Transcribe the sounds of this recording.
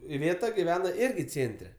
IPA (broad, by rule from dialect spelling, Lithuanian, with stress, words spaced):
ɪˈʋʲeːtɐ ɡʲɪˈʋʲæːnɐ ˈɪrʲɡʲɪ ˈt͡sʲeːnʲtʲrʲɛ